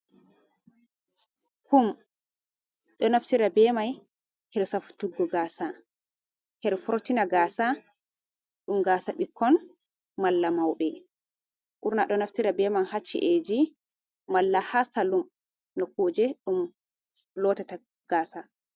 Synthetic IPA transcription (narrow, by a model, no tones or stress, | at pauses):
kum | ɗɔnafsiɾabɛmaj | hɛɾsafu̥tuɡːɔɡaːsa | hɛɾfɔɾtinaɡaːsa | ɗumɡaːsaɓikʰːɔn | malːamawɓɛ | ʔuɾnaɗɔnaftiɾabɛmanhat͡ʃːḭʔed͡ʒi | malːahasalum | nɔkoːd͡ʒɛɗum | lɔtata | ɡ̥aːsa